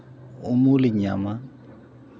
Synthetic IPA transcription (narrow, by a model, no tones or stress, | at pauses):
ʊmʊlɪɲama